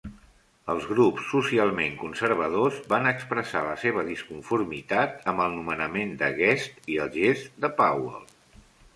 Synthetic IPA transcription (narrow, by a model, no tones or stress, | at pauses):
əlˠzɣɾupsːusialˠmeŋkunsərβ̞əð̞ozβanəkspɾəsa̰ləseβəðiskuɱfurmit̪at̪əmbəlˠnumənəmend̪əɣɛst̪iəlˠʒezd̪əpawə̰lˠ